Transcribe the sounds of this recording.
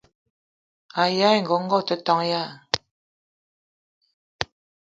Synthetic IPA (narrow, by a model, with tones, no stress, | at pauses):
a˨ja˦jŋɡo˨˦ŋ̩˦ɡo˦˨t̪ə˨˦t̪ɔ˨˦ŋja˦˨